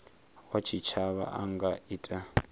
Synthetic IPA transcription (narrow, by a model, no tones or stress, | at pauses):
wat͡ʃʰit͡ʃʰaβa̰ʔaŋɡaitʼa